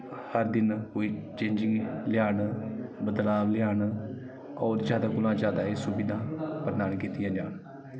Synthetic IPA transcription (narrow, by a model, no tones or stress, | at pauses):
həɾd̪ɪnoːiːt͡ʃẽːɲd͡ʒɪŋɡlɪjaːnbəd̪laːʋlɪjaːn | ɔːɾd͡ʒjaːd̪aːkʊlãːd͡ʒjaːd̪aːeːsʊbɪd̪ãːpəɾnaːnkiːt̪ijãːd͡ʒaːn